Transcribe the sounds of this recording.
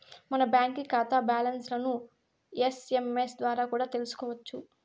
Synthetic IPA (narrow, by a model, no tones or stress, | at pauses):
mɐnɐbjaːŋkikaːt̪aːbaːlɐnslɐnu | jese̞mesd̪ʋaːɾaːkuːɽaːt̪e̞lusu̥kɔːʋɐt͡ʃːu